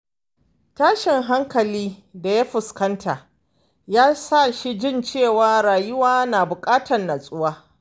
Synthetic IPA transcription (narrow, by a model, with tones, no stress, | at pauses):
taː˦ʃɪ˨ŋɦa˦ŋkɐ˨liː˦da˨ja˦ɸʊ˨skɐ˦ntʰa˨ | jaː˦sa˦˨ʃi˦d͡ʒɪ˦nt͡ʃeː˦˨waː˦ɾaː˨jʊ˦waː˦naː˨bʊ˨kʼaː˦tɐ˨nnːa˨sʼʊ˦waː˦